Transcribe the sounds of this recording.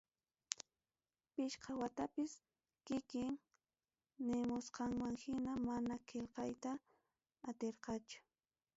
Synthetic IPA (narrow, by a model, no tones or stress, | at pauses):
pɪʃqʰɑwat̪apɪs | kɪkɪŋ | nɪmʊsqɑŋmaŋhɪnamanakʰelqɑjt̪aː | t̪eɾqɑt͡ʃʊ̥